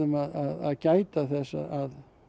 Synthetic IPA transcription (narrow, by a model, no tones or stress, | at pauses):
ʏmaðaða̰ðcaːjt̪aθɛsːa̰ʔað